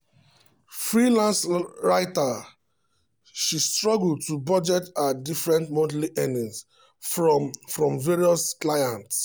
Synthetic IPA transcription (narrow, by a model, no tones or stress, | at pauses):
fɹilãnsɹaɪta | ʃistɹɔɡuld̚tubɔd͡ʒɛtadifɹɛ̃ntmɔ̃ntliʔɛ̃nĩŋs | fɹɔ̃mveɹiɔsklajãnts